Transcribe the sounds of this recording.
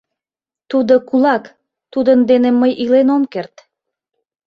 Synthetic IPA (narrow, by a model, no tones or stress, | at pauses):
t̪ud̪okulɑk | t̪ud̪ənd̪eneməjʔilenomkert̪